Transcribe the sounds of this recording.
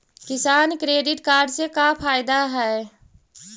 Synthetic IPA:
kɪsaːnkɾeːɖɪʈkaːɾɖsekapʰaːɪd̪aɦɛː

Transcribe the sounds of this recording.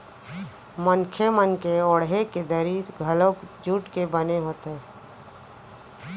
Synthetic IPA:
mənkʰemənkeoːɽɦeked̪əɾiːɾɡʱəlõkd͡ʒuːʈkebəneɦoːt̪ɦeː

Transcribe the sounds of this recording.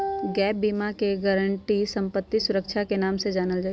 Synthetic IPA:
ɡɛːp̚biːmakeɡəɾəɳʈisə̃mpət̪ːisʊɾəkʃʰakenaːmsed͡ʒaːnəld͡ʒaː

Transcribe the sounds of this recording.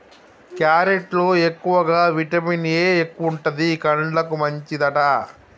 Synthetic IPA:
kjaːɾeʈloːekːuʋɐɡaːʋiʈɐminjeːekːuʋuɳʈɐd̪ikɐɳɖlɐkumɐɲt͡ʃid̪ɐʈɐ

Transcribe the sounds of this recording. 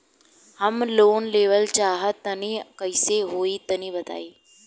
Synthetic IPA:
həmloːnleːʋəlt͡ʃaːɦət̪ːənĩkɐɪseɦoːit̪ɐnĩbɐt̪a̰ːiː

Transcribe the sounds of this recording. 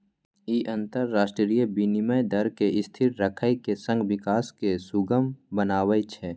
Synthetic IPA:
iʔə̃nt̪əɾːaːʃʈɾɾijəbiniməjd̪əɾkeɪst̪ʰɪɾɾəkʰəikesə̃ŋɡwɪkaːskesʊɡəmbənaːwəjt͡ʃʰɛː

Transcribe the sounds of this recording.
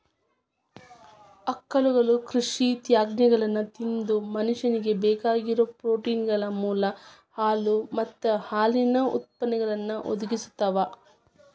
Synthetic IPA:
ɐkːɐluɡɐɭukɾiʂit̪jaːɡnɛɡɐɭɐnːut̪ind̪umɐnuʂɐniɡe̞bɛːkaːɡiɾoːpɾoːʈiːnɡɐɭɐmuːlɐhaːlumɐt̪ːɐhaːlinɐṵt̪̚pɐnɛɡɐɭɐnːɐʔo̰d̪uɡisu̥t̪ːɐʋa

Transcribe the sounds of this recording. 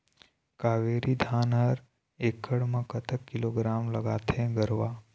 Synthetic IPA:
kaʋeɾid̪ʱanɦəɾ | ekʰːəɽmãkət̪ʰəkːɪloɡɾamləɡaːt̪ʰẽɡəɾʋa

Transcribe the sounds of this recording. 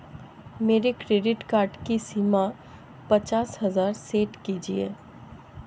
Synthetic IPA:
meːɾekɾeːɖɪʈkaːɾɖkisiːma | pɐt͡ʃaːsɦɐzaːɾseːʈkiːd͡ʒiḛː

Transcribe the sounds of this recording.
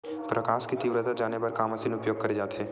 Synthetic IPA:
pɾɐkaːʃkit̪iʋɾət̪ad͡ʒaːnepɐɾkaːmɐsinʊpjoːɡ̚kɐɾed͡ʒaːt̪ɦɛː

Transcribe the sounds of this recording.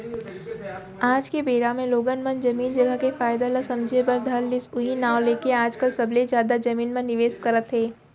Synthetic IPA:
aːd͡ʒkebeːɾamẽloːɡənmənd͡ʒɐmiːnd͡ʒɐɡəkefaːjd̪alasɐ̃md͡ʒʱebəɾd̪ʱɐlːɪsʊɦinaːwleːkeaːd͡ʒkəlsɐblezjaːd̪ad͡ʒɐmiːnmẽnɪʋeːskɐɾət̪ɦeː

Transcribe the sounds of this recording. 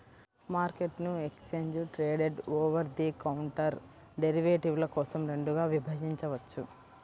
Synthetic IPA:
maːɾke̞ʈnuekst͡ʃeːɲd͡ʒʈɾeːɖeɖoːʋɐɾd̪ikɐwuɳʈɐɾ | ɖe̞ɾiʋeːʈiʋlɐkɔːsɐmɾe̞ɳɖuɡaːʋibʱɐd͡ʒiɲt͡ʃɐʋɐt͡ʃːu

